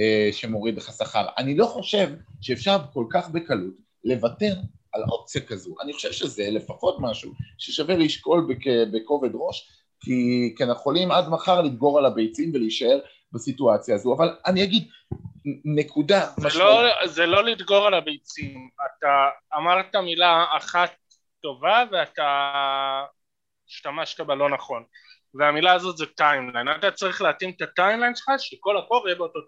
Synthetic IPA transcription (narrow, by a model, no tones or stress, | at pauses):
eʃemo̞ʁidleχasaχa̰ʁa̰nilo̞χo̞ʃe̞vʃeefʃaʁko̞lkaχbekalut | le̞vate̞ʁ | alʔo̞̰p̚t͡sjakazuʔa̰niχo̞ʃe̞v̥ʃeze̞le̞faχo̞tmaʃuʃeʃaveʁiʃko̞lbekebeko̞vedʁo̞ʃ | kʰikeneχo̞limadmaχaʁlid̪ɡo̞ʁalabejt͡simveliiʃae̞ʁ | basituat͡sjaːzuavalaniaɡid | ne̞kudamalozelo̞lid̪ɡo̞ʁalabejt͡siimataːmaʁtamilaːχatː | o̞vave̞ata | ʃtamaʃtabalo̞naχo̞n | veamilaːzo̞tzetajmlajnat̪at͡saʁiχleatimt̪atajmlajnʃelχaʃeko̞lako̞ljebeot̪o